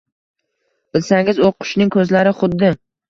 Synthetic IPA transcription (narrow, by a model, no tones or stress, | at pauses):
b̥ɪlsaŋɪzoqʰʊ̥ʃnɪŋkʰɵzlaɾɪχʊd̪ːɪ